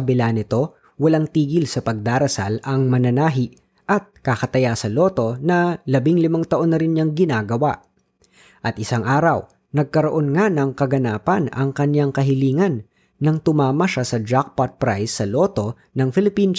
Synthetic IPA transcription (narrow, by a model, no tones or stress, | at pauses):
ɐbɪlanɪt̪o̞ | wɐlaŋt̪iːɡɪlsɐpɐɡ̚d̪aːɾɐsa̰lɐŋmɐnɐnaːɦɪʔ | ʔɐt̪̚kakɐt̪ɐjasɐlo̞ːt̪o̞nɐlɐbɪŋlɪmaŋt̪ɐʔo̞nːɐɾɪnɲaŋɡɪnaːɡɐwa̰ʔ | ʔɐt̪ʔɪsaŋʔaːɾɐw | nɐɡ̚kɐɾoʔo̞nŋanɐŋkɐɡɐnaːpɐnɐ̰ŋkɐɲjaŋkɐɦɪliːŋɐnː | ɐŋt̪ʊmaːmɐʃasɐd͡ʒak̚pat̪̚pɾajsːɐloːt̪o̞ | nɐŋfɪlɪpin